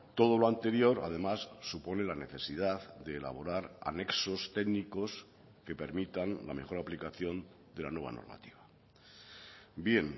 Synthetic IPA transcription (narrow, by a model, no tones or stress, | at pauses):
t̪o̞ð̞o̞lo̞ant̪e̞ɾjo̞ɾa̰ðe̞masːupo̞ne̞lane̞θe̞sið̞aðd̪e̞ːla̰β̞o̞ɾaɾa̰ne̞kso̞st̪e̞ɡniko̞s | ke̞pe̞ɾmit̪anla̰me̞xo̞ɾaplikaθjon | d̪e̞la̰nwe̞β̞a̰no̰ɾma̰t̪i̥βa | bje̞n